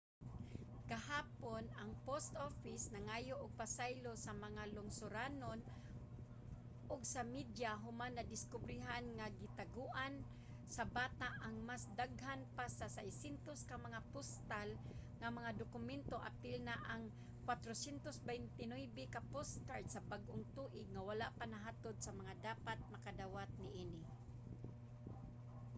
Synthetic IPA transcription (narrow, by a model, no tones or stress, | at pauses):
ɡ̥aɦaːponaŋpost̪ʔofɪsnaŋaːjoʔʊɡ̚pasajlosamɐŋalʊŋsʊɾanon | ʔʊɡsamid̪jaɦʊmanːɐd̪ɪskʊbɾɪɦanŋaɡɪt̪aɡuʔan | sabaːt̪aʔaŋmasd̪aɡɦanpasasajsɛnt̪oskamaŋapʊst̪alŋamaŋad̪ʊkʊmɛnt̪oʔa̰pɪlnaʔaŋ | kwat̪ɾosɛnt̪osbɛjnt̪ɪnojbɪkapʊskaɹd̪sabaɡʔʊŋt̪uːʔɪɡ̚ŋawalaʔpanaɦaːt̪od̪̚samaŋad̪aːpat̪̚makad̪awat̪̚nɪʔiːnɪ